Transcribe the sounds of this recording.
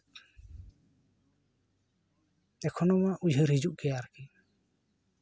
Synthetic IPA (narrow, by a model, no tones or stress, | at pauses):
ɛkʰɔnɔmaʔʔud͡ʒʱəɾhid͡ʒuʔkɛjaɾki